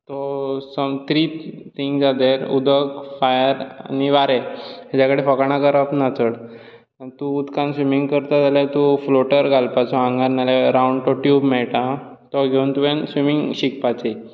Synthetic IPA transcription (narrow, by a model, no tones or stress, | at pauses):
t̪ɔsəmt̪ɾiːt̪ʰiŋɡd͡zad̪eɾṵd̪ʱəkfajəɾ̰niʋaɾead͡ʑakəɽifɔkaɳakəɾapnat͡səɽ | t̪ũːt̪kãnsʋimiŋɡkəɾt̪ad͡zaljat̪ufloʈəɾɡʱalpat͡sɔãŋɡaɾnaleɾauɳɖʈɔʈjubmɛɭʈãt̪ɔɡʱeũːnt̪uʋansʋimiŋɡɕikpat͡si